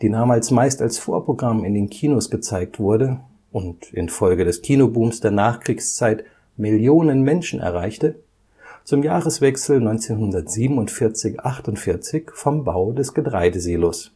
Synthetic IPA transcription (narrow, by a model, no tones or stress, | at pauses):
d̥iːdaːmaːlsmaɪstalsfoːɐpʁ̥oɡʁamɪndeːnkʰiːnosɡ̥ət͡saɪk̚tv̥ʊɐdə | ʔʊntɪ̰nfɔlɡədɛskʰiːnobuːmsd̥eːɐnaːχkʁ̥iːkst͡saɪt | mɪljoːnənmɛnʃn̩ʔɛ̰ɐʁ̞aɪçtə | t͡sʊmjaːʁəsv̥ɛksl̩nɔʏnt͡seːnɦʊndɐtz̥iːbm̩ʊntfɪɐt͡sɪçʔaχtʊntfɪɐt͡sɪçfɔmba̰ʊdɛsɡ̥ətʁ̥aɪdəziːlos